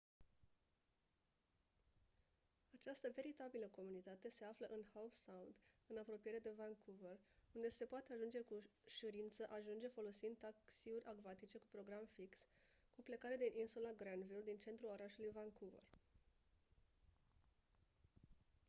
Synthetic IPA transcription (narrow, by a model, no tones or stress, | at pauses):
at͡ʃast̪əve̞ɾit̪abiləko̞munit̪at̪e̞se̞afləʔɨnhawfsawnd̪ɨnapɾo̞pijeɾed̪e̞vankʰuvərund̪e̞se̞poat̪eaʒund͡ʒe̞kuʃuɾint̪səʔaʒund͡ʒe̞fo̞lo̞sind̪aksiuɾʲʔaɡvat̪it͡ʃe̞kupɾo̞ɡɾamfiks | kuple̞kaɾed̪inʔinsulaɡɾanvild̪int͡ʃe̞nt̪ɾulo̞ɾaʃulujvankuvə̰r